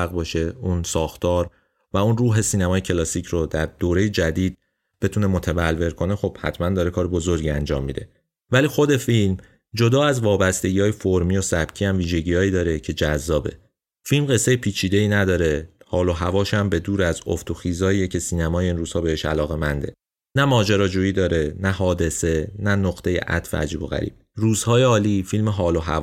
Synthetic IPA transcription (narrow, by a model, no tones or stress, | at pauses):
æɣbɒːʃe̞unsɒːxt̪ʰɒːɾ | væunruːɦe̞siːnæmɒːjecʰe̞lɒːsiːcʰɾod̪æɾd̪̥oːɾe̞jed͡ʒæd̪iːd̪̥̚ | b̥e̞t̪ʰuːne̞mot̪ʰævælve̞ɾkʰo̞ne̞xo̞b̥hæ̰t̪ʰmænd̪ɒːɾe̞kʰɒːɾebo̞zoɾɟiænd͡ʒɒ̰ːmːid̪e̞̰ | væliːxo̞d̪e̞film | d͡ʒo̞d̪ɒːæzvɒːbæst̪e̞ɟiːɒːjefoɾmiːjo̞sæb̥cʰiːæmviːʒe̞ɟiːhɒːjiːd̪ɒːɾe̞cʰe̞d͡ʒæzːɒːbe̞̰ | filmɢe̞sːe̞jepʰiːt͡ʃʰiːd̪e̞iːnæd̪ɒːɾe̞hɒːlo̞ɦævɒːʃæmbe̞d̪uːɾæzo̰ft̪ʰoxiːzɒːiːjecʰe̞siːnæmɒːjeinruːz̥hɒːbe̞he̞ʃæ̰lɒːɣe̞mænd̪e̞̰ | næmɒːd͡ʒeɾɒːd͡ʒuːjiːd̪ɒːɾe̞næhɒːd̪e̞se̞nænoqt̪ʰe̞jḛʔæ̰t̪fḛæ̰d͡ʒiːbo̞ɣæ̰ɾḭːb̥̚ruːz̥hɒːjeɒːliːfilmeɦɒːloɦæ̰v